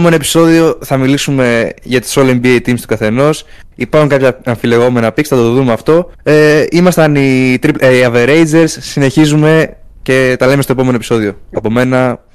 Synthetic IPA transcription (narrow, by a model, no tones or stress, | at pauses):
me̞noepi̥so̞ðio̞θɐmilisume̞ʝɐt̪i̥solembiejt̪imst̪ukɐθe̞no̞s | ipɐɾxuŋkɐpçɐɐɱfile̞ɣo̞me̞nɐpiksθɐt̪ooðumeɐft̪o̞eimɐst̪ɐnit̪ɾipɐveɾejd͡ze̞ɾsːine̞çizume̞ce̞t̪ɐle̞mest̪oepo̞me̞nopiso̞ðio̞ɐpo̞me̞nɐ